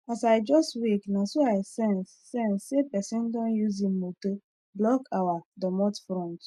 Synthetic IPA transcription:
asajd͡ʒɔstwiknasoaɪsɛ̃ns | sɛ̃nsepɛsĩndɔ̃njuzim̩moto | blɔkawadɔmɔtfɾɔ̃nt

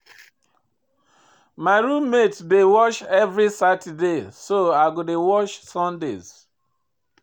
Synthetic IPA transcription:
maɪɹũmmetdewɔʃɛvɹisatidesoaɡodewɔʃsɔ̃ndḛz

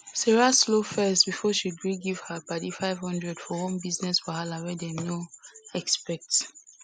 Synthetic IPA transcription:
sɛɹaslofɛstbifɔʃidɹiɡiv̥həbadifaɪv̥hɔ̃ndɹɛdfɔhɔ̃mbiznɛsfɔhalawɛdɛnoɛkspɛk̚t

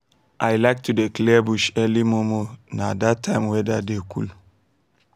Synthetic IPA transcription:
ʔajlaɪk̚tudeklɛbuʃɛlimomonadatʰːãɪ̃mwɛdadekṵl

